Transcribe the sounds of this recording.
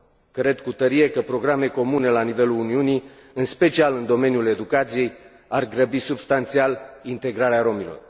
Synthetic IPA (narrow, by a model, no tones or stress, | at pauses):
kɾe̞d̪kut̪əɾie̞kəpɾo̞ɡɾame̞ko̞mune̞lanive̞luluniuni | ɨnspe̞t͡ʃialɨnd̪o̞me̞njule̞d̪ukat̪sije̞j | arɡɾəbisubst̪ant̪sialint̪e̞ɡɾaɾeaɾo̞milo̞̰r